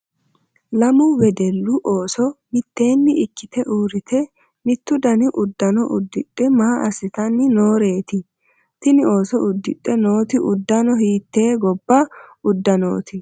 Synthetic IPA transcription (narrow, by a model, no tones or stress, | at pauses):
lɐmʊwɛd̪ɛlːʊʔo̞ːsɔmɪt̪ːe̞ːnːɪɪkːɪt̪ɛʔuːɾɪt̪ʰɛ | mɪt̪ːʊd̪ɐnɪʔʊd̪ːɐnɔʔʊd̪ːɪɗʼːɛmaːʔɐsɪt̪ɐnːɪno̞ːɾe̞ːt̪ɪ | t̪ɪnɪo̞ːsɔʊd̪ːɪᶑʼːɛno̞ːt̪ɪʔʊd̪ːɐnɔɦiːt̪ːeːɡɔbːɐʊd̪ːɐno̰ːt̪ʰɪ